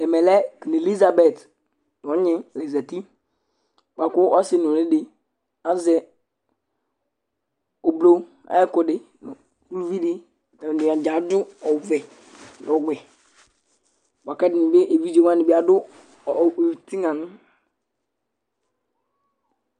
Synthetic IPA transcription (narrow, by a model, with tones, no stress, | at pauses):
ɛ˨mɛ˨lɛ˦ki˨ne˨li˦za˨bɛ˨t | n˨ɔ˦ɲɪ̃˦le˨za˨ti˦ | k͡pa˨kʊ˦ʔɔ˦sɪ˦nʊ˨lɪ˦dɪ˨ | a˦zɛ˨ | o˨blo˦ | a̰˦ɛ˦kʊ˨dɪ˨ | n˨ | u˦lu˦vi˦dɪ˦˨ | ni˨a˨d͡ʒa˨˦dʊ˦ɔ˨vɛ˨ | nɔ˨ɡ͡bɛ˨ | wa˨kɛ˦dɪ˨nɪ˨be˦ʔe˨vi˦d͡ʒe˦˨wa˦nɪ˨bɪ˦a˨dʊ˦˨ | ti˦ŋa˨nʊ˦